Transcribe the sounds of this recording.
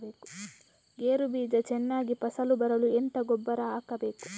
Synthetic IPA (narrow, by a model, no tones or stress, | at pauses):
beːku̥ | ɡeːɾubiːd͡ʒɐt͡ʃɛnːaːɡipɐsɐlubɐɾɐluɛnt̪ɐɡɔbːɐɾɐaːkɐbeːku̥